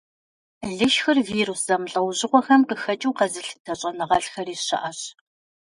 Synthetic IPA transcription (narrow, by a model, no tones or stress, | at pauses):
ɮɨʃxɨrviːɾusz̥ɐmɬʼɐwʑɪqʷɔxɐmqəxɐt͡ʃʼuwqɐzɨɬtʰɐɕʼɐnɨʁɐɬxɐɾiːɕɐ̰ʔɐɕ